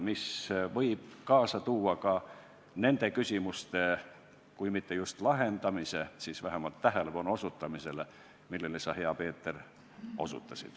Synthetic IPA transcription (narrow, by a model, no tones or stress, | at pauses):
misvɤ̞jb̥kɑːsɑt̪uːɑkɑ | ne̞nd̪e̞kysʲimust̪e̞ | kujmit̪ːejust̪lɑɦe̞nd̪ɑmise̞siːsvæɦemɑlt̪ːæɦele̞pɑnuo̞sut̪ːˑɑmise̞le | milːe̞lesɑhe̞ɑpe̞ːt̪ːˑe̞r | o̞̰sṵt̪ːˑɑsḭd̪̥